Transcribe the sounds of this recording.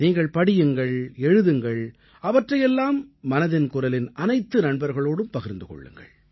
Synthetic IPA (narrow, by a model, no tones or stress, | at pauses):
niːŋɡɐɭpɐɽɪjɯŋɡɐɭɛɻɯðɯŋɡɐɭ | ɐʋɐʈrɐjɛlːaːmːɐnɐðɪnkʊɾɐlɪnʔɐnɐɪt̪ːɯnɐɳbɐɾɣɐɭoːɽɯmpɐɣɪɾnd̪ɯkɔ̰ɭːɯ̰ŋɡɐ̰ɭ